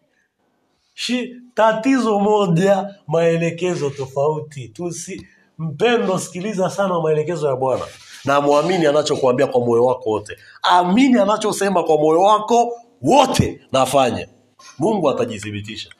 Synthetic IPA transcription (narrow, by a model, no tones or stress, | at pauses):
ʃitatizɔmɔʄamaɛlɛkɛzɔtɔfautitusi | m̩pɛndɔsi̥kilizasanawamaɛlɛkɛzɔjaɓwana̰namuaminianat͡ʃɔkuambiakwamɔjɔwakɔwɔtɛ | aminianat͡ʃɔsɛmakwamɔjɔwakɔ | wɔtʰɛnafaɲa̰ | muŋɡuataʄiθiɓitiʃḁ